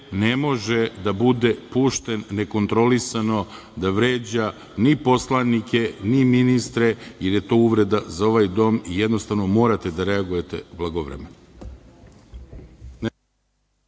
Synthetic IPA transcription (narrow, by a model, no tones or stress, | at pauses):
ne̞mo̞ʒed̪abud̪e̞puːʃt̪enːe̞ko̞nt̪ɾo̞lisano̞ | d̪aʋɾe̞ːd͡ʑa | nipo̞slˠanike̞niminist̪ɾejeɾje̞t̪o̞ːuʋɾe̞d̪azao̞ʋajd̪o̞ːmijed̪no̞st̪aʋno̞mo̞ːɾat̪e̞d̪aɾe̞aɡuje̞t̪ḛublˠaɡoʋɾḛmen | n